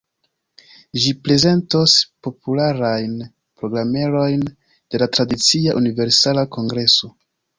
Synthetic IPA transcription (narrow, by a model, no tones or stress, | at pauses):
ʒipɾe̞ze̞nto̞spo̞pulaɾajn | pɾo̞ɡɾame̞ɾo̞jn | d̥e̞latɾadit͡siaʔunive̞ɾsalako̞ŋɡɾe̞so̞